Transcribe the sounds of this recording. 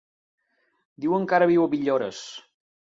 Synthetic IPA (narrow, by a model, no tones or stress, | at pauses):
d̪iwəŋkaɾəβiwəβiʎoɾəs